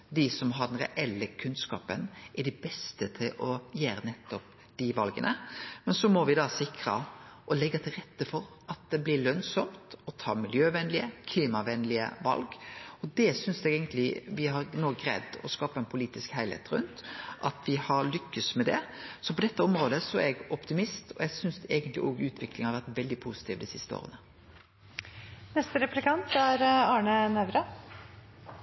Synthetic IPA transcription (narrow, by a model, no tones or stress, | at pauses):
d̪ɪsɔmɦɑɾd̪ɛnɾɛ̰ʔɛlːəkʰʉnskɑ̰ːpənʔæɖɛbɛst̪ət̪ʰɪlʔɔjæːɾənɛt̪ːɔp̚ | d̪̥ɪʋɑlɡənə̰mɛnsɔmɔʋɪd̪ɑsɪkʰɾəʔɔlɛɡːɑt̪ʰɪlɾɛt̪ːəfɔɾ | ʔɑt̪̚d̪ɛblɪɭœnsɔmt̪ɔt̪ʰɑ̰ːmɪljøːʋɛnlɪəkʰliːmɑʋɛnlɪə̰ʋɑ̰lɡɔd̪ɛsʏnsd̪ɛɡɛːɡənt̪lɪʋɪɦɑɾnoːɡɾɛ̰d̪ːɔ̰skɑːpəɛɪnpʰʊliːt̪ɪskhæɪlhḛːt̪ɾʉ̰nt̪ʔɑt̪ʋɪhɑɾlʏkːəsmɛd̪ɛ̰sɔpɔd̪ɛt̪ːəɔmɾoːd̪əsɔɛɡɔpt̪ɪmɪst̪ʰɔ̰ɛɡsʏnsɛːɡənt̪lɪ̰ʔɔːɡʉːt̪ʰʋɪklɪŋhɑɾʋæʁt̪ʋɛld̪ɪpʰuːsɪ̥t̪ʰiːʋd̪ɪsɪst̪əo̰ːʁə̰nə | nɛst̪əɾɛplɪkɑnt̪æɾɑːɳənæʋɾə